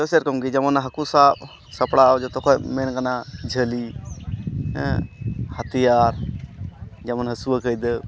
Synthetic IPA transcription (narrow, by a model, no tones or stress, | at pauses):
d͡ʒɔsəɾkɔmɡid͡ʒamanaɦəkusaʔ̚ | səpɽawd͡ʒɔt̪ɔkɔmɛnkanad͡ʒʱəli | hət̪ijaɾ | d͡ʒamanɦəsuwəkəjd̪ə